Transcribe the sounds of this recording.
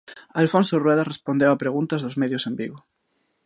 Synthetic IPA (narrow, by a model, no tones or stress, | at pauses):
alfonsorweðarespond̪ewapɾeɣũnt̪azðozmeðjosembiɣo